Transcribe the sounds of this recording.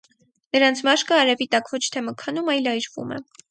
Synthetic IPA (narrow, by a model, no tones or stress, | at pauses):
nəɾɑnt͡sʰmɑʃkəɑɾɛvit̪ɑkvɔt͡ʃʰt̪ʰɛməkʰənumɑjlɑjɾvṵmɛ̰